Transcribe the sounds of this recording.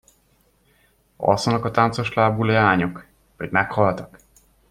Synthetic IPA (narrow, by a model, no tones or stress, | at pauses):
ɒ̰sonɒkɒt̪ant̪so̞ʃlaːbuleaːɲok | vɒɟmɛkhɒlt̪ɒk